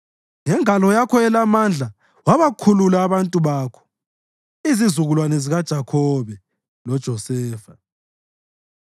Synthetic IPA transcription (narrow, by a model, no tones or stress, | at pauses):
ŋɛŋalɔjakʰɔɛlamand͡ɮʱa | waβakʰululaːβantʼuβaːkʰɔ̥ | izizuɣulwanɛziɣad̥ʒ̥ʱakʰɔβɛ | lɔd̥ʒ̥ʱɔsɛːfa